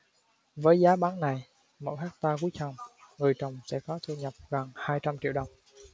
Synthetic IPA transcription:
vəː˨˦jzaː˨˦ɓaː˨˦ŋna˨˩j | mo̰˧˨jhaː˦˥k̚t̪aː˧ku˨˦t͡ɕa˨˩wŋ͡mŋɨ˨˩əjt͡ɕə˨˩wŋ͡msɛ̰˧˥kɔ˨˦t̪ʰu˧ɲə˨˩p̚ɣə˨˩ŋhaː˧jt͡ɕa˧mt͡ɕḭ˧˨əwɗə˨˩wŋ͡m

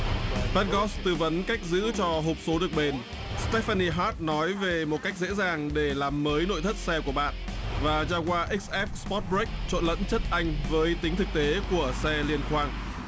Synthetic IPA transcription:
ɓa˦˥t̚ɣɔ˦˥st̪ɨ˧və˨˦nka˦˥jk̟̚zɨ̰˧˥t͡ɕɔ˧ɦo˨˩p̚so˨˦ɗɨ˨˩ək̚ɓe˨˩n | st̪ɛ˦˥fa˧ni˧ɦaː˦˥t̚nɔ˨˦jve˨˩mo˨˩t̚ka˦˥jk̚zḛ˧˥zaː˨˩ŋɗe˧˩laː˨˩mːəː˨˦jno̰˧˨jt̪ʰə˦˥t̚sɛ˧ku˧˩əɓa̰ː˧˨nvaː˨˩zaː˧kwaː˧ʔi˦˥k̚sʔɛ˦˥p̚spɔ˦˥t̚bɹi˦˥jk̚t͡ɕo̰˧˨nlə̰˧˥nt͡ɕə˦˥t̚ʔa˧jŋ̟vəː˨˦jt̪ï˨˦ŋ̟t̪ʰɨ˨˩k̚t̪e˨˦ku˧˩əsɛ˧li˧ənxwaː˧ŋ

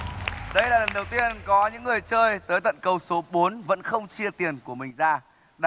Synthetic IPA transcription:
ɗə˧jlaː˨˩lə˨˩nɗə˨˩wt̪i˧ənkɔ˨˦ɲɨ̰˧˥ŋːɨ˨˩əjt͡ɕəː˧jt̪əː˨˦jt̪ə̰˧˨nkə˧wso˨˦ɓo˨˦nvə̰˧˥nxə˧wŋ͡mt͡ɕi˧ət̪i˨˩ənku˧˩əmï˨˩ŋ̟zaː˧ | ɗ

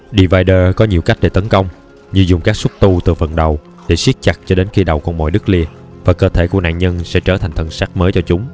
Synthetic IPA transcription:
ɗi˧˩vaː˧jɗəː˧kɔ˨˦ɲi˨˩əwka˦˥k̟̚ɗe˧˩t̪ə˨˦nkə˧wŋ͡m | ɲɨ˧zʊ˨˩ŋ͡mkaː˦˥k̚sʊ˦˥t̚t̪u˧t̪ɨ˨˩fə̰˨˩nɗə˨˩w | ɗe˧˩swi˦˥t̚t͡ɕa˨˩k̚t͡ɕɔ˧ɗe˨˦nxi˧ɗə˨˩wkɔ˧mɔ̰˧˨jɗɨ˦˥k̚li˧ə | vaː˨˩kəː˧t̪ʰe˧˩ku˧˩əna̰ː˧˨nɲə˧nsɛ̰˧˥t͡ɕəː˧˩t̪ʰa˨˩ŋ̟t̪ʰə˧˩nsaː˦˥k̚məː˨˦jt͡ɕɔ˧t͡ɕʊ˨˦ŋ͡m

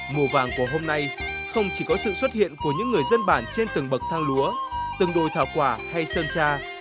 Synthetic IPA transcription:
mu˨˩əvaː˨˩ŋku˧˩əɦo˧mna˧jxə˧wŋ͡mt͡ɕi˧˩kɔ˨˦sɨ̰˧˨swə˦˥t̚hḭ˧˨ənku˧˩əɲɨ̰˧˥ŋːɨ˨˩əjzə˧nɓaː˧˩nt͡ɕe˧nt̪ɨ˨˩ŋɓə˨˩k̚t̪ʰaː˧ŋlu˨˦ət̪ɨ˨˩ŋɗo̰˧˨jt̪ʰaː˧˩wkwaː˧˩ha˧jsəː˧nt͡ɕaː˧

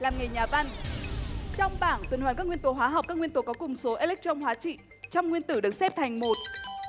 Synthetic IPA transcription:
laː˨˩mŋə˨˩jɲaː˨˩va˧n | t͡ɕɔ˧wŋ͡mɓaː˧˩nt̪wi˨˩nhwaː˨˩nkaː˦˥kŋi˧ənt̪o˨˦ɦwaː˨˦ɦa˨˩wk͡p̚kaː˦˥kŋwi˧ənt̪o˨˧˩kɔ˨˦kʊ˨˩ŋ͡mso˨˦ʔe˧lɛ˦˥k̚t̪ə˧wŋ͡mɦwaː˨˦t͡ɕḭ˧˨ | t͡ɕɔ˧wŋ͡mŋwi˧ənt̪ɨ˧˩ɗɨ˨˩k̚sɛ˦˥p̚t̪ʰa˨˩jŋ̟mo˨˩t̚

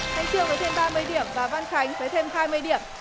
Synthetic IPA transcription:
tʰa˨˦ŋt͡ɕi˧əwvəː˨˦jt̪ʰe˧mɓaː˧mɨ˧əjɗi˧˩əmvaː˨˩va˧nxa˨˦jŋ̟vəː˨˦jt̪ʰe˧mhaː˧jmɨ˧əjɗḭ˧˩˨əm

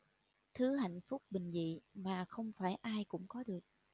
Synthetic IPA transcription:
t̪ʰɨ˨˦ha̰˧˨jŋ̟fʊ˦˥k͡p̚ɓï˨˩ŋ̟zḭ˧˨maː˨˩xə˧wŋ͡mfaː˧˩jʔaː˧jkʊ̰˧˥ŋ͡mkɔ˨˦ɗɨ˨˩ək̚

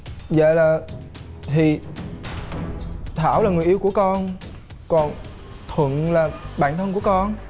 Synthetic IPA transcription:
zə̰ː˧˨jlaː˨˩ | t̪ʰi˨˩ | t̪ʰaː˧˩wlaː˨˩ŋɨ˨˩əʔi˧wku˧˩əkɔ˧n | kɔ˨˩n | t̪ʰwə̰˧˨nlaː˨˩ɓaː˧˨nt̪ʰə˧nku˧˩əkɔ˧n

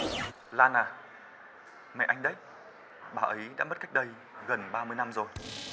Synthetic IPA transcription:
laː˧naː˨˩ | mɛ̰˧˨ʔa˧ŋ̟ɗə˨˦j | ɓaː˨˩ʔə˨˦jɗa̰ː˧˥mə˦˥t̚ka˦˥jk̚ɗə˧j | ɣə˨˩nɓaː˧mɨ˧əjna˧mzo˨˩j

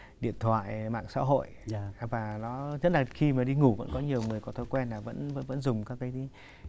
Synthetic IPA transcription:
ɗḭ˧˨ənt̪ʰwa̰ː˧˨jma̰ː˧˨ŋsa̰ː˧˥ɦo̰˧˨jvaː˨˩nɔ˨˦ɲə˦˥t̚laː˨˩xi˧maː˨˩ɗi˧ŋu˧˩və̰˧˥nkɔ˨˦ɲi˨˩əwŋɨ˨˩əjkɔ˨˦t̪ʰo˧˦jkwɛ˧nlaː˨˩və̰˧˥nvə̰˧˥nvə̰˧˥nzʊ˨˩ŋ͡mkaː˦˥kːaː˨˦j

